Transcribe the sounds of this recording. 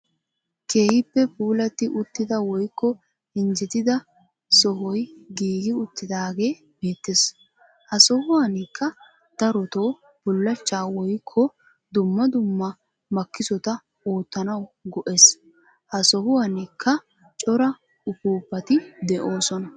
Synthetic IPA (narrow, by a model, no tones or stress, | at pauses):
ke̞ːhɪpːɛpuːlɐt̪ːɪʔʊt̪ːɪd̪ɐwɔjkːɔ | ɪnd͡ʒɛt̪ɪd̪ɐ | sɔhɔjɡiːɡɪʊt̪ːɪd̪aːɡe̞ː | be̞ːt̪ːes | hɐsɔhʊwɐnɪkʰːɐ | d̪̥ɐɾɔt̪o̞ː | b̥ʊlːɐt͡ʃːaːwɔjkʰːɔ | d̪ʊmːɐd̪ʊmːɐ | mɐkːɪsɔt̪ɐ | oːt̪ːɐnɐwɡɔʔes | hɐsɔhʊwɐnikʰːɐ | t͡ʃʼɔɾɐ | ʊpuːpːɐt̪ɪd̪ɛʔo̞ːsɔnɐ